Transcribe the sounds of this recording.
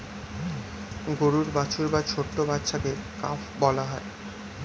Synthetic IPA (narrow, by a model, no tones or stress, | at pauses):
ɡoɾuɾbat͡ɕʰuɾbat͡ɕʰoʈːobatːɕʰakekafbɔlaɦɔe